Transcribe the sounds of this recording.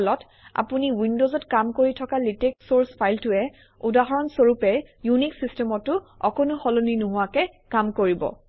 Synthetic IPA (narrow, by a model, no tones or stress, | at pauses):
lɔt | a̰puniwindozɔtkamkoɹitʰɔkaliteksoɹspʰajltʊɛ | udaɦɔɹɔnsoɹupɛ | juniksistɛmɔtːʊɔkɔnʊxɔloninuɦʊakɛ | kamkoɹibɔ̰